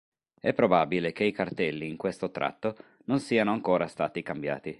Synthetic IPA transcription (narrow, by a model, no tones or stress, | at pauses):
ɛpːɾobabilek̟eikart̪ɛlːiːŋkwest̪ot̪ɾa̰t̪ːo | nonsiːanoaŋkoːɾast̪a̰ːt̪ikambja̰ːt̪i